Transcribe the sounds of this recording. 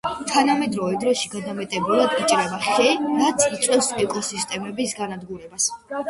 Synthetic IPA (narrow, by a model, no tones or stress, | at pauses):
t̪ʰanamɛd̪ɾɔvɛd̪ɾɔʃiɡad̪amɛt̪ʼɛbulˠad̪it͡ʃʼɾɛbaχɛɾat̪sʰit̪sʼwʼɛfsɛkʼɔsist̪ʼɛmɛbisɡanad̪ɡuɾɛbas